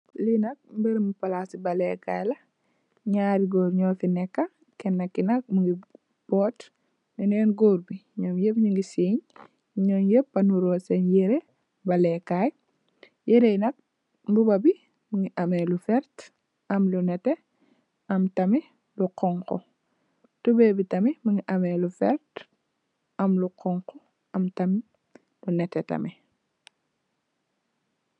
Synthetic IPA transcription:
linɐk̚mbɛɾmupɐlasibɐlɛkaːjlɐ | ɲaːɾiɡoːɾɲɔːfinɛkːa | kɛnːɐkːinɐk̚muŋɡi | b̥ɔːt | minɛnɡoːɾbiɲɔːmjepɲuŋɡisiɲ | ɲɔnjepːɐnuɾɔːsenjeɾe | bɐlɛkaj | jeɾejnɐk̚ | mbubɐbi | muŋiʔɐmɛlufɛɾt | ɐmlunɛte | ɐmtɐmi | luqɔŋkɔ̰ | tubebitɐmimuŋiʔɐmelufɛ̰ɾt | ɐmluqɔŋkɔ | ɐmtɐmi | lunɛtːɛtɐ̰mi

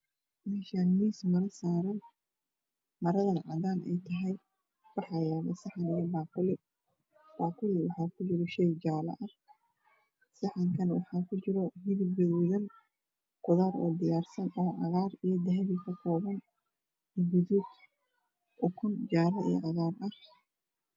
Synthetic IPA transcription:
mɛːʃaːnmiːsmɐɾɐsaːɾɐn | mɐɾɐðɐnʕɑ̰ðaːnɛ̰jt̪ʰɐɦɛj | wɑħɑːjaːβɐsɑħɑnijɐbaːkʊlɪ | b̥aːkʰʊlɪwɑħɑːkʰʊt͡ʃɪɾɔʃɛjd͡ʒaːlɐ̰ʔɐr | sɐħɑŋkʰɐnwɑ̰ħɑːkʰʊt͡ʃɪɾɔɦɪðɪbɛðʊðɐn | ɡʊðaːɾɔ̰ːd̪ɪjaːrsɐnɔːʔɑ̰ɣaːrijɞd̪ɐɦɛβikʰɐkʰɔːβɐn | ɪɡʊðud | ʔʊkʰʊnd͡ʒaːɾɐḭjɔ̰ʔɑɣaːrɐh

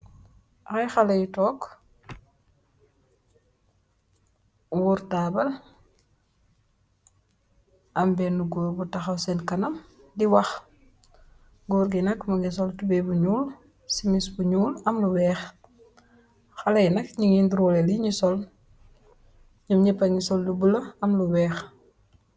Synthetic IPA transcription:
ʔajxalɐjutɔːk | wuɾtabɐl | ʔɐmbɛnuɡuːɾbutɐxɐwsɛnkɐnɐm | diwɐx | ɡuɾɡinɐkmuɡis̬ɔltubebuɲuːl | simisbuɲuːlɐmluwɛːx | xɐlɐjnɐk̚ɲiŋinduɾɔleliɲisɔl | ɲimɲipɐɲisɔldubulɐɐmluwɛːx

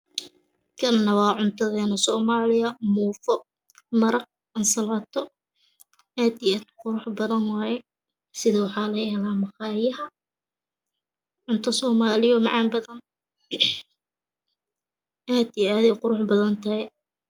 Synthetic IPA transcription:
kʰɐlnɐwɑːʕʊnt̪ʰɐðɛːnɐsɔːmaːlɪjɐmuːfɔ | mɐɾɐq̚ | ɐnsɐlɐːt̪ʰɔ | aːd̪iɛd̪qʊɾʊħbɐðɐnwɑːjɛ | sɪðɐwɑħɑːlɐjɛːlaːmɑqɑːjɐɦɐ | ʕʊnt̪ʰɐsɔːmaːlɪjɔmɑʕɑːnbɐðɐn | ʔaːd̪ɪɛðɛqʊɾʊħbɐðɐnt̪ʰɐhɛ

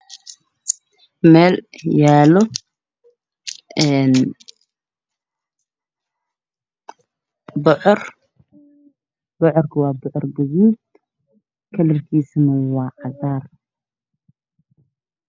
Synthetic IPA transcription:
mɛːljaːlɔ | ɛːn | bɔʕɔr | b̥ɔʕɔrkʰɐwɑːbɔʕɔrɡɐɣuːd̪ | kʰɐlɐrkʰiːsɐnɐwɑːʔɐɣaːr

